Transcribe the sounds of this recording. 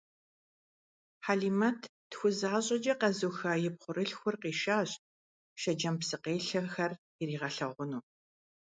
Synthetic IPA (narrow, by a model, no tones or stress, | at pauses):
ħaːɮiːmɐtʰtxʷʊzaːɕʼɐd͡ʒɐqɐzuxaːjɪp̚χʷʊɾɨɬxʷʊrqiːʃaːɕ | ʃɐd͡ʒɐmpsɨqeːɬɐxɐr | jɪɾiːʁɐɬɐʁʷʊnuː